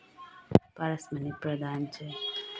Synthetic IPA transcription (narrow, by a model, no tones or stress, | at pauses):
paɾəsmənipɾəd̪ant͡ʃʰe